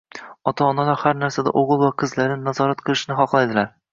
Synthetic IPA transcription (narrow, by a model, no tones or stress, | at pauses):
ɒt̪ʰaːnalaɾhaɾnaɾsad̪a̰ʔoʁɨlˠvaqʰɨzlaɾnɪnazɒɾat̪qʰɨlˠɪʃnɪχɒqlˠajd̪ɪlaɾ